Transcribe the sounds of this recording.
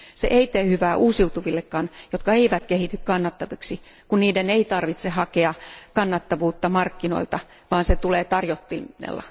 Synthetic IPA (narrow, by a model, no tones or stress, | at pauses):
sḛʔeit̪eːhyʋæːʔuːsiut̪uʋilːekːɑːnjot̪kɑeiʋæt̪kehit̪ykkɑnːɑt̪ːɑʋiksi | kunniːdeneit̪ɑrʋit̪sehɑkeɑkɑnːɑt̪ːɑʋuːt̪ːɑmɑrkːino̰ilt̪ɑ | ʋɑːnset̪uleːt̪ɑrjot̪ːiḛlːɑ̰